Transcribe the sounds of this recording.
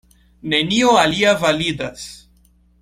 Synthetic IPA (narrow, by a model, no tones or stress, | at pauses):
nenioaliavaliːd̪as